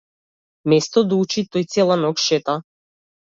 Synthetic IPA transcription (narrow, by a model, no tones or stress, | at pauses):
mɛst̪ɔd̪aut͡ʃit̪ɔjt̪sɛlˠanɔkʃɛt̪a